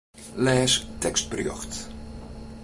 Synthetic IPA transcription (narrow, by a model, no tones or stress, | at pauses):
lɛːstɛkst̚prjø̰xt